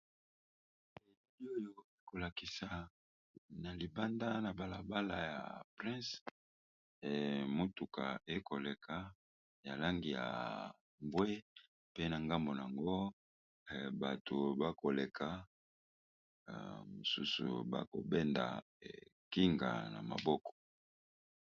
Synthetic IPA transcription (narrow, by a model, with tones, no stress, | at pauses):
e˨˦bi˦o˦jo˦˨e˦ko˨la˨ki˨sa˨ | na˨li˨ba˦nda˦na˨ba˨la˨ba˦la˨ja̰˨pʁɛ̃˦s | mo˦tu˨ka˨e˦ko˨le˨kʰa˦ | ja˨la˦ŋɡi˨ja̰˨ | mbwe˦ | pe˦na˨ŋɡa˦mbo˨n˨a˨ŋɡo˦˨ | ba˨to˨ba˦ko˨le˨kʰa˦˨ | mo˨su˦sṵ˨ba̰˦ko̰˨bɛ˦nda̰˨ | ki˦ŋɡa̰˨na̰˨ma̰˨bɔ˦kɔ̥˨